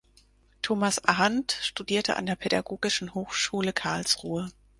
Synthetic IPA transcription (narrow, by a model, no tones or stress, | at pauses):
tʰoːmasʔaɦantʃtudiːɐtʰəʔa̰ndeːɐpʰɛdaɡoːɡɪʃn̩hoːxʃuːləkʰaɐlsʁuːə